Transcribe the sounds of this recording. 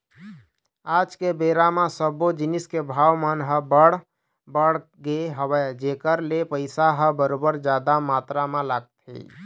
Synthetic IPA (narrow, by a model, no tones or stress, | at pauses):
ad͡ʒkebeɾamesəbod͡ʒiniskebʱawmənɦəbəɽ | bəɽ | ɡeɦəbɛd͡ʒekəɾlepəɪsaɦəbəɾobəɾd͡ʒad̪amat̪ɾamelaɡt̪ɦḭ